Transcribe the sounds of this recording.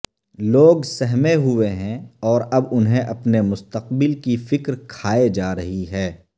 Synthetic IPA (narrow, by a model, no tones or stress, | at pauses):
loːɡsɛɦmeɦʊeɦɛ̃ɔːɾɐbʊnɦẽʔɐpnemʊst̪əq̚bɪlkifɪkɾkʰaːed͡ʒaːɾɐɦiɦɛː